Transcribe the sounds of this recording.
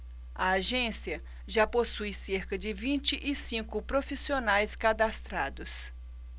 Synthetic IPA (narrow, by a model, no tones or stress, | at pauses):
ɐaʒẽsiɐ | ʒaposujseɾkɐd͡ʒɪvĩnt͡ʃɪʔɪsĩkʊpɾofisionajskad̪ast̪ɾad̪ʊs